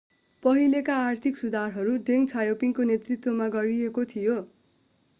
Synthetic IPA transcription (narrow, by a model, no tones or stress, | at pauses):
pʌɦilekaːrt̪ʰiksud̪arɦʌɾuɖeŋt͡sʰajopiŋkonet̪rit̪womaɡʌɾiekot̪ʰijo